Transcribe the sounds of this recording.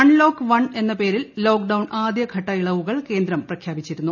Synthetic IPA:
ɐɳlo̞ːkːɨʋɐɳe̞nːɐpe̞ːɾillo̞ːkɖɐwɳʔaːd̪jɐɡʱɐʈːɐjiɭɐʋuɣɐɭke̞ːnd̪ɾɐmprɐkʰjaːbit͡ɕːiɾunːu

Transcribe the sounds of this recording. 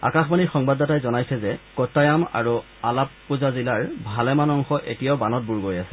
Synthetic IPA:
a̰kaxbanixɔŋbadatajzɔnajsɛzɛkɔtːajama̰ɹu | alapːuzazilaɹbʱalɛmanɔŋxɔʔetijaʊbanɔt̚buɹɡojasɛ̥

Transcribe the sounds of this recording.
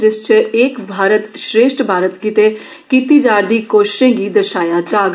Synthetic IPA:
d͡ʒɪst͡ʃəeːkbʱaːɾət̪ʃɾeːʃʈbʱaːɾət̪kit̪eː | kiːt̪iːd͡ʒaːɾd̪iːkoːʃʃẽːɡiːd̪əʃaːjaːd͡ʒaːɡ

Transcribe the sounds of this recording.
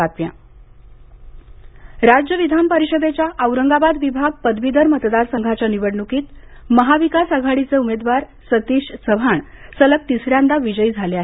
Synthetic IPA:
at̪ʋjã̰ | ɾad͡ʑjəʋid̪ʱanpəɾiɕəd̪ʱet͡ɕjaʔəwɾəŋɡabad̪ʋibʱaɡ̚pəd̪ʋid̪əɾmət̪d̪aɾsəŋɡʱat͡ɕaniʋəɽɳukiːt̪ | məɦaʋikasaɡʱaɽit͡səumed̪ʋaɾ | sət̪iɕsəʋʱaɳsələk̚t̪isɾjãnd̪aʋid͡ʑəid͡zʱaleaɦ

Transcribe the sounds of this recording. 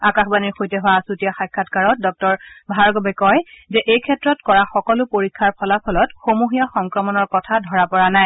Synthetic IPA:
akaxbaniɹxojtɛɦʊwasutijaxajkʰːatkaɹɔt̚dɔk̚tɔɹbʱaɹɡɔbɛkɔjzɛʔejkʰɛtɹɔtkɔɹaxɔkɔlʊpoɹikʰːaɹpʰɔlapʰɔlɔtxomuɦijaxɔŋkɹɔmɔnɔɹkɔtʰadʱɔɹapɔɹanaj

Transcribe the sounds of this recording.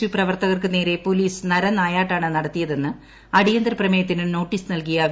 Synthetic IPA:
ʋiprɐʋɐrt̪ɐɣɐrkɨne̞ːɾe̞poliːsnɐɾɐnaːjaːʈːaːɳɨnɐɽɐt̪ːijɐðe̞nːɨ | ɐɽijɐnd̪ɾɐprɐmɐjɐt̪̬ːinɨno̞ːʈːiːsɨnɐlkijɐ

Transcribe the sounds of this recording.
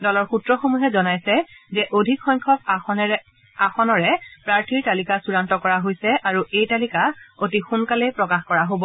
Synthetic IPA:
dɔlɔɹxutɹɔxomuɦɛzɔnajsɛzɛʔodʱikxɔjŋkʰɔk̚ | axɔnɔɹɛpɹaɹtʰiɹtalikasuɹantɔkɔɹaɦojsɛʔaɹuʔejtalikaotixunkalɛpɹɔkaxkɔɹaɦobɔ

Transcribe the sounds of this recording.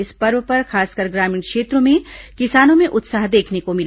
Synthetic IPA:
ɪspɐɾʋpɐɾxaːskəɾɡɾaːmĩːnkʃeːt̪ɾõmẽkɪsaːnõmẽʔʊt̪saːɦd̪eːkʰnekomɪl

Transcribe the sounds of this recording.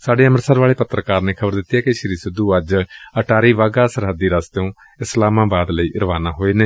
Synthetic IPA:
saːɖeːəməɾsəɾʋaːɭeːpət̪ɾəkaːɾneːkʰəbəɾd̪ɪt̪ːijaːkɪʃəɾiːsɪd̪uːəd͡ʒəʈaːɾiːʋaːɡaːsəɾɦəd̪ːiːɾast̪õː | ɪslaːmãːbaːd̪ləiːɾəʋaːnaːɦoːeːneː

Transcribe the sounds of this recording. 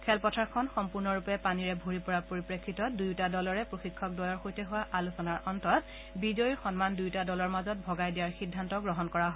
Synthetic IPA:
kʰɛlpɔtʰaɹkʰɔnxɔmpuɹnɔɹupɛpaniɹɛbʱoɹipɔɹapoɹipɹekʰːitɔdujtadɔlɔɹɛpɹoxikʰːɔk̚dɔjɔɹxojtɛɦʊwaʔalusɔnaɹʔɔntɔt | bizojɹxɔnmandujtadɔlɔɹmazɔt̚bʱɔɡajdijaɹxidʱːantɔɡɹɔɦɔnkɔɹaɦo

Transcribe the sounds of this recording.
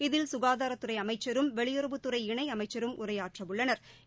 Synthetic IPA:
ɪðɪlsʊɣaːðaːɾɐt̪ːɯɾɐɪɐmɐɪt͡ʃːɐɾɯmʋɛɭɪjɔɾɐʋɯt̪ːɯɾɐɪɪɳɐɪɐmɐɪt͡ʃːɐɾɯmʔʊrɐjaːʈrɐʋɯɭːɐnɐɾ

